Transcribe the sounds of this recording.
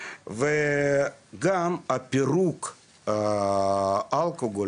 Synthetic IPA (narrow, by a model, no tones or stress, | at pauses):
ve | ɡamapiɾuk | alkoɡo